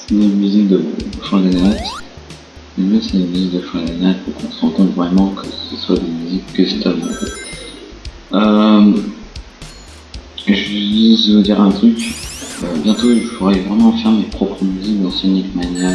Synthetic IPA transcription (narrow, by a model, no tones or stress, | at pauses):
sɛnemyzik̚d̪əd̪əfɔ̃lananɛt̪ | mɛnɛsɛnmyzik̚d̪əfɔ̃alanɛt̪̚pɔ̃kɔ̃səʁɑ̃kɔ̃t̪vʁɛmɑ̃kʰəsəswad̪emyzikːəsɛt̪ãt̪e | ø | ʒvdizvud̪iʁɛ̃t̪χykøbjɛ̃t̪oilfoʁɛivʁɛmɑ̃fɛʁmepχɔpχəmyzik̚d̪ɑ̃snikmanjɛʁ